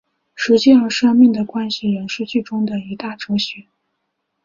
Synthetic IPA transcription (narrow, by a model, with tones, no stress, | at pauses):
ʂɻ̩˧˥t͡ɕi˥˧˩ə˧˥˩ʂɑ˥ŋmi˥˩ŋd̪ə˩kwa˥nɕi˨˩ɻə˧˥nʂɻ̩˥˧t͡ɕy˥˩ʈ͡ʂʊ˥ŋd̪ə˨i˧˥t̪a˥˩ʈ͡ʂɤ˧˥ɕɛ˧˥˦